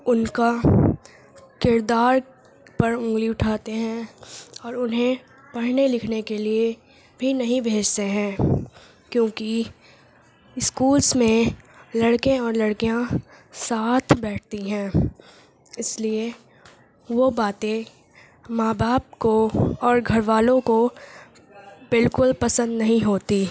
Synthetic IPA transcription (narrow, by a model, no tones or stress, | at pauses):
ʊnka | kɪɾd̪aːɾ | pɐɾʊ̃ːɡliʊʈʰaːt̪eɦɛ̃ɔːɾʊnɦẽ | pɐɽ̤nelɪkʰnekelie | bʱinɐɦĩbʱeːd͡ʒt̪eɦɛ̃ː | kjõːki | ɪskuːlsmẽ | lɐɽkẽɔːɾlɐɽkijãsaːt̪ʰbɛːʈ̚ʰt̪iɦɛ̃ː | ɪslie | ʋobaːt̪ẽ | maːbaːp̚koɔːɾɡʱɐɾʋaːlõko | bɪlkʊlpɐsə̃nd̪nɐɦĩɦoːt̪i